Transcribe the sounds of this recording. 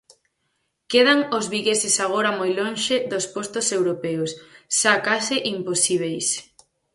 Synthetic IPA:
keðaŋozβiɣesɪsaɣ̞oɾɐmojlonʃeðospost̪ʊsewɾopeosʃakasɪʔimposiβ̞ejs

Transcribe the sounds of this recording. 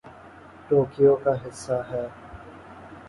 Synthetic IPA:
ʈoːkɪjoːkaɦɪsːaɦɛː

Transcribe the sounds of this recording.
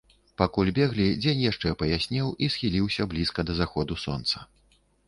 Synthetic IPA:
pakulʲbʲɛɣlʲid͡zʲenʲjaʂt͡ʂɛpɐjasʲnʲɛwisxʲilʲiwsʲɐblʲiskɐd̪ɐzaxɔd̪usɔ̰nt̪sɐ̥

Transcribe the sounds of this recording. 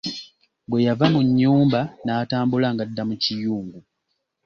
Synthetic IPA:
bwe̞javamuɲːuːmbanaːtaːmbulaŋɡadːamucijuːŋɡu

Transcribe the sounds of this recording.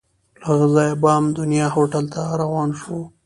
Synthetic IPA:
laɣzɑjbɑmd̪ʊnijɑhoʈalt̪aɾawɑːnʃo

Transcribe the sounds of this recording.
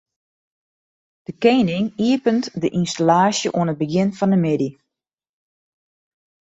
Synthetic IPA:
d̥əkeːnɪŋiəpəntdəʔinstalaːsjəʔuənət̚bəɡɪnfɔndəmɪdi

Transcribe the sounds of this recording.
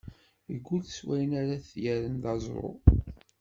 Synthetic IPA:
əɡʷːulswæjənaɾaθjæɾənðɑzˤɾˤo̰

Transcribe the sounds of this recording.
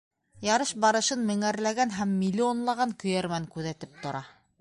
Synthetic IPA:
jɑɾɤʃbɑɾɤ̆ʃɤnmɘ̆ŋæɾlæɡænɦæmːʲilʲːionlˠɑʁɑŋkɵ̆jæɾmæŋkʉðæt̪ɘp̚t̪ŏɾɑ

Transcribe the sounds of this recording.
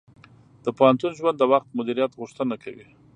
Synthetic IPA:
d̪̥əpohant̪unʒwand̪ːəwaxt̪̚mʊd̪iɾijat̪ɣʊʂt̪ənakʰawi

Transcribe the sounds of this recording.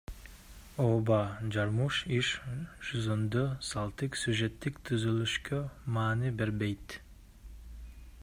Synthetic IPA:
oːbɑd͡ʒɑɾmuʃiʃʃuzond̪øsɑlˠt̪ɯksyʒet̪ːikt̪ʰyzylyʃkømɑːnibeɾbejt̪

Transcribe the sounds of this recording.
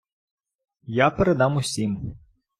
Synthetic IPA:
japeɾed̪ɑmʊsʲim

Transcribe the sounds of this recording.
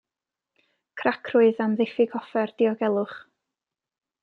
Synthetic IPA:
kʰrakʰrʊɨðamðɪfɪɡʰɔfɛrd̥iɔɡɛlˠʊχ

